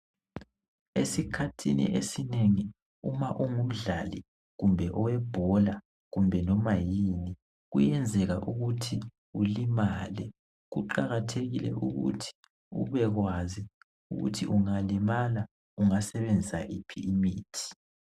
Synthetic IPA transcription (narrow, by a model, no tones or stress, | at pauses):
esikʰatʰinḭʔesineŋi | umaʔuŋum̩ɮali | ɣumbʱɛʔɔwɛb̥ʱɔla | ɣumbʱɛnɔmajini | ɣṵjɛnd͡zʱɛɣaʔuɣutʰi | ulimalɛ | ɣuǃaɣatʰeɣilɛ̰ʔuɣṵtʰi̥ | ṵβɛɣwazi | uɣṵtʰiʔuŋalimala | uŋasɛβend͡zʱisaʔipʰiːmiːtʰi̥